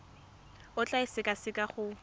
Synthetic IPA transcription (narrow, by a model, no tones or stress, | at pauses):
ʊt͡ɬʼaɪsɪkʼasɪkʼaχʊ